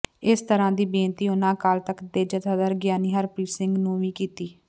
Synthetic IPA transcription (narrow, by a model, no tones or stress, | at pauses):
ɪst̪əɾãːd̪iːbẽːnt̪iːʊnãːkaːlt̪əkd̪eːd͡ʒət̪ʰaːd̪aːɾɡjaːniːɦəɾpɾiːsɪŋɡnũːʋiːkiːt̪iː